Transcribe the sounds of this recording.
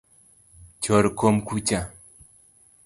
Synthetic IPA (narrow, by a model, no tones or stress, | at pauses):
t͡ʃoɾkomkut͡ʃa